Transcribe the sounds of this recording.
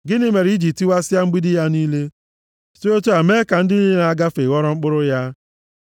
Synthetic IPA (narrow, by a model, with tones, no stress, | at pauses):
ɡɪ˦nɪ˦me˨ɾi˦d͡ʒi˨ti˦wa˦sɪ˦a˦ŋ͡m̩˦ɡ͡bi˦dɪ˦ja˦niː˦le˦ | so˦o˦tu˦a˨me˦ka˨n̩˦dɪ˦ni˦e˦na˨a˦ɡa˦fe˨ɣɔ˦ɾɔ˦ŋ͡m̩˦k͡pʊ˦ɾʊ˦ja˦